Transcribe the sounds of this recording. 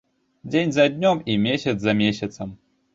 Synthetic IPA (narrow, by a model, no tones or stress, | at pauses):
d͡zʲenʲzɐd̪ʲnʲɔmimʲesʲɐt̪szɐmʲesʲɐt̪sɐm